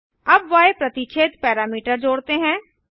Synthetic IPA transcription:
əbʋaːepɾət̪it͡ʃʰeːt̪pɛːɾaːmiːʈəɾd͡ʒoːɽt̪eɦɛ̃ː

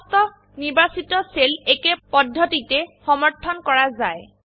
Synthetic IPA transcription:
stɔ | niɹbasitɔselekepɔdʱːɔtitɛxɔmɔɹtʰːɔnkɔɹazaj

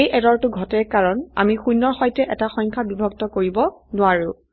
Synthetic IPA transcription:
ejʔɛdɔɹtʊɡʱɔtɛɹkaɹɔna̰mixujnːɔɹxɔjtɛʔɛtaxɔjŋkʰabibʱɔkɡtɔkoɹibɔnʊaɹʊ̃

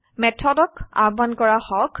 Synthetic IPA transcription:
mɛtʰɔdɔka̰ɹbankɔɹaxɔk

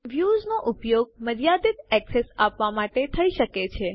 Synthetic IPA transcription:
ʋjuznoʔʊpjoɡ̚məɾjad̪it̪ɛksesapʋamaʈet̪ʰəiʃəket͡ʃʰe

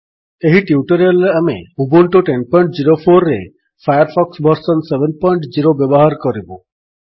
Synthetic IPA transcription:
eɦiʈiuʈəɾalːeameubɔɳʈoʈenpɔjɳʈd͡ʒiɾopʰoɾːe | fʰajəɾpʰɔksbɔɾsɔnsebenpɔjɳʈd͡ʒiɾobjebɔɦaɾkɔɾibo

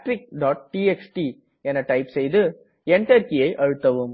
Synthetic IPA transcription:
ʈɾɪk̚ɖaːʈ̚ʈiːɛksʈi | ɛnɐʈɐɪpsɛjðɯ | ɛɳʈɐɾkɪjɐɪʔɐɻɯt̪ːɐʋɯm

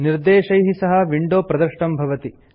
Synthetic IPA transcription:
niɾd̪eːʃɐjɦisɐɦɐʋiɳɖoːpɾɐd̪ɐɾʂʈɐmbʱɐʋɐt̪i

